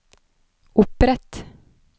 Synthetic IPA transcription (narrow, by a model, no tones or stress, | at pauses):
ʔʊpɾɛt̪